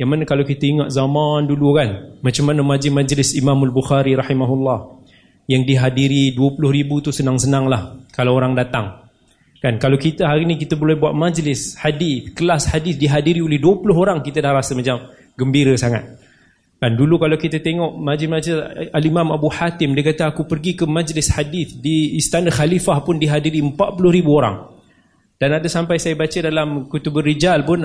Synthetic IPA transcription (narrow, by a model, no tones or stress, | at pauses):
jaŋmanəkalawkit̪aiŋat̪̚zamãndulukanmat͡ʃamːanəmad͡ʒɪmad͡ʒlɪsimamalbuxaɾiɾɑħimaɦulːɑh | jaŋdiɦadiɾiduəpulʊhɾibut̪usənaŋsənaŋlahkalawoɾaŋdat̪aŋ | kankalawkit̪əɦaɾinĩkit̪əbolɛhbuaʔ̪̚mad͡ʒlɪsħadiθkəlashadɪsdiɦadiɾiolɛhduəpulʊɦoɾaŋkit̪ədahɾasəmat͡ʃam | ɡəmbiɾəsaŋa̰t̪̚ | kandulukalawkit̪ət̪eŋɔʔmad͡ʒlɪsmad͡ʒlɪsalimãmabuħat̪ɪmdiəkat̪əakupərɡikəmad͡ʒlɪshadiθdiːst̪anaxalifahpʊndiɦadiɾiəmpaʔ̪̚pulʊhɾibuoɾa̰ŋ | d̥anadasampajsajabat͡ʃədalamkut̪ubərid͡ʒalpʊn